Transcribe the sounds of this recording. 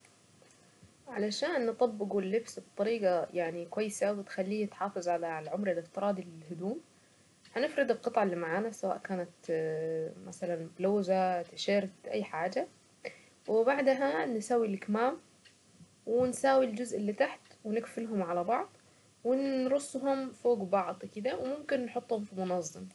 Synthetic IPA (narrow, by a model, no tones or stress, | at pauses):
ʕalaʃaːnːɨt̪ˤɑbːɪɡʊlːɪbsbɨt̪ˤːɑɾiːɡajaʕnikwajːsawɪt̪xalːiːɪt̪ħɑːfɨzˤʕalalʕʊmɾɪlɪft̪ɨɾˤɑːd̪ɪlɪhʊd̪uːm | hanɪfɾɨd̪ɪlqɨt̪ˤʕɑalːimaʕaːnasawa̰ːʔkaːnat̪ | masalanbloːzat̪ɪʃɪːɾt̪ʔa̰jːħaːd͡ʒa | wɪbaʕd̪ɦansawːilʔɪkmaːm | wɪnsaːwild͡ʒʊzʔɪlːit̪aħt̪wɪnɪkfɪlɦʊmʕalabɑʕd̪ˤ | wɪnɾˤʊsˤːɦʊmfoːɡbɑʕd̪ˤkɪd̪awɪmʊmkɪnːħʊt̪ˤːhʊmfimʊnɑzˤːɨm